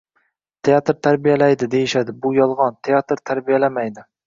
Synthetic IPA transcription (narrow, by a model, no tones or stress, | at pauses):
t̪ʰeat̪ɾt̪ʰaɾbijalajd̪ɪd̪e̞jɪʃad̪ɪbʊjɒlˠʁɒnt̪ʰejat̪ɾt̪ʰaɾbijalamajd̪ɪ